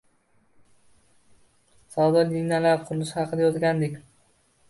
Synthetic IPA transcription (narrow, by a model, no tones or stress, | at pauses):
sawd̪ad̪inalap̚qʰʊɾlɪʃɪhɑqʰɨd̪ajɒt̪ɡʲand̪ɪkʲ